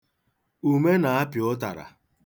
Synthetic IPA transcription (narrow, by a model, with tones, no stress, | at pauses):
u˨me˦na˨a˦pjʊ˦ta̰˨ɾa̰˨